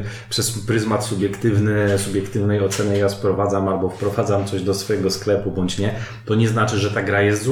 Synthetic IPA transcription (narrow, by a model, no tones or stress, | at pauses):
pʂɛspɾɘzmat̪subʲjɛkt̪ɘvnɘsubʲjɛkt̪ɘvnɛjɔt̪sɛnɛjaspɾɔvad̪zamalbɔfpɾɔvad̪zamt̪sɔʑd̪ɔsfɔjɛɡɔsklɛpubɔɲt͡ɕɲɛ | t̪ɔɲɛznat͡ʂɘʐɛt̪aɡɾajɛst̪z